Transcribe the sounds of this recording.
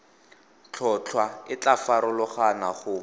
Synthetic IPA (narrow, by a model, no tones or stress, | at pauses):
t͡ɬʰɔt͡ɬʰwaɪt͡ɬafaɾʊlʊχanaχʊ